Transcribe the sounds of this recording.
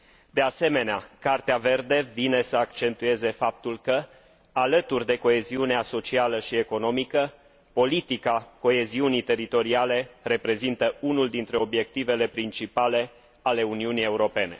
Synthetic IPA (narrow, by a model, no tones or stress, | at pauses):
d̪e̞ase̞me̞neakart̪eave̞rd̪e̞vine̞səakt͡ʃe̞nt̪ue̞ze̞fap̚t̪ulkə | alət̪urʲd̪e̞ko̞e̞ziuneaso̞t͡ʃialəʃie̞ko̞no̞mikə | po̞lit̪ikako̞e̞ziunit̪e̞ɾit̪o̞ɾiale̞re̞pɾe̞zint̪əunuld̪int̪ɾe̞o̞bje̞kt̪ive̞le̞pɾint͡ʃipale̞ | ale̞uniunije̞uɾo̞pe̞ne̞̰